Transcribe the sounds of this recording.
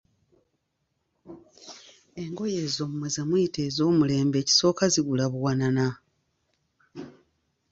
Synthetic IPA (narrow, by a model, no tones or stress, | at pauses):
e̞ŋɡo̞jeːzo̞ːmumwezamujite̞ːzo̞ːmule̞ːmbe̞ːci̥so̞ːkaziɡulaβuwanana